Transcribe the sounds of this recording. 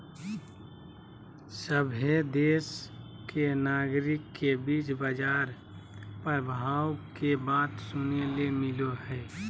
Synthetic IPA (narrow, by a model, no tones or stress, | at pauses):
səbʱed̪eːs | kenaːɡɾɪkːebiːt͡ʃbəd͡ʒaːɾ | pəɾbʱaːwkebaːt̪sʊnelemɪloɦɛː